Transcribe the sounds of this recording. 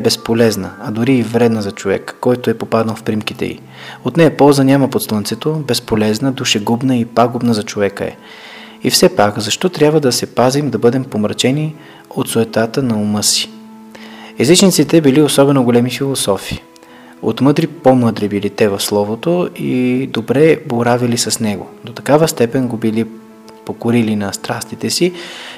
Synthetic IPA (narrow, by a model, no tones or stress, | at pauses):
bɛspolɛznə̰ɐd̪ʊɾiːvɾɛd̪nəzɐt͡ʃovɛ̰kːɔjt̪oɛpopad̪nəlˠfpɾimkit̪ɛ̰ḭ | ot̪nɛpɔlˠzənʲaməpot̪slˠənt̪sɛt̪obɛspolɛznəd̪uʃɛɡubnəipaɡʊbnəzɐt͡ʃovɛkə̰ɛ̰ | ḭfsɛpakzɐʃt̪ɔt̪ɾʲjabvəd̪ɐsɛpazimd̪ɐbɤd̪ɛmpomɾɐt͡ʃɛni | ot̪sʊɛt̪at̪ənɐomɤsi̥ | ɛzit͡ʃnit̪sit̪ɛbiliosɔbɛnoɡolɛmifilˠosɔfiː | o̰t̪mɤd̪ɾipomɤd̪ɾibilit̪ɛvɐfslˠɔvot̪oid̪obɾɛboɾavilisɐsnɛɡo̰d̪ot̪ɐ̥kavəst̪ɛpɛnɡobili | pokoɾilinɐst̪ɾast̪it̪ɛsi